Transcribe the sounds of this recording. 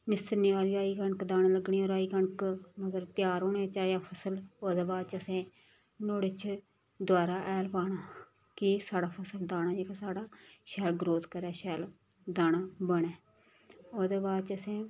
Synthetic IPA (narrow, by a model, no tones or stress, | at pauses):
nɪst̪əniaːɾiaːiːkəɳəkd̪aːnaːləɡɳiːoːɾaːiːkəɳəkməɡəɾt̪ɪjaːɾoːɳeːt͡ʃaːjaːpʰəsəloːd̪eːbaːd̪t͡ʃəsẽː | noːɽet͡ʃʰ | d̪ʊwaːɾaːʔɛːlpaːɽaː | kɪsaːɽaːpʰəsəld̪aːñaːd͡ʒeːkaːsaːɽaːʃɛːlɡɾoːd̪kəɾɛːʃɛːl | d̪aːñaːbəɽ̃ɛː | oːd̪eːbaːd̪̚t͡ʃəsẽː